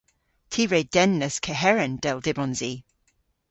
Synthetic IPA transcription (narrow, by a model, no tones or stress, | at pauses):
tʰiːɹed̥ɛnːəskʰəɦɛɹənd̥ɛlˠdɪbɔ̃nzi